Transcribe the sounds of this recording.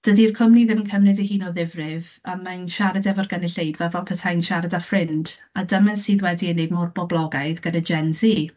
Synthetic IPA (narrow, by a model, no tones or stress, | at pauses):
d̥ədirkʰɔmniðɪmnkʰəmnɨdihiːnɔðɪvrɪv | amanʃaɾadɛvɔrɡənɪɬejdvɛlvɛlˠpʰətʰajnʃaɾadafrɪnd | adəmɛsiːðwɛdinedmɔrbɔblˠɔɡaɨðɡ̥ədad͡ʒɛnzi